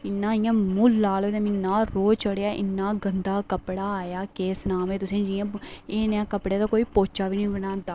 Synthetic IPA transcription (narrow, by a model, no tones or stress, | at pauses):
ɪnːãːijãːmulːaːloːd̪ẽːmnːaːɾoːt͡ʃəɽjaːʔɪ̰nːaːɡənd̪aːkəpɽaːaːjaːkeːsnaːmẽːt̪ʊsẽːd͡ʒijãːeːnãːkəpɽeːt̪aːkoːiːpoːt͡ʃaːbiːnĩːbənãːd̪a